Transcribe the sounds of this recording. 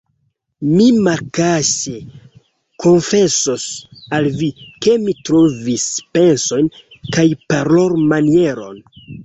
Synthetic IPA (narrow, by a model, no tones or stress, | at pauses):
mimaɾkase | kʰo̞nfe̞sosalvike̞mitɾovispe̞nso̞jnkajpaɾloɾmanie̞ɾo̞̰n